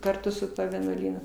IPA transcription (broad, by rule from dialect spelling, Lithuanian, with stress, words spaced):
kɐrˈtʊ sʊ ˈtuɔ ʋʲiɛnuɔˈlʲiːnʊ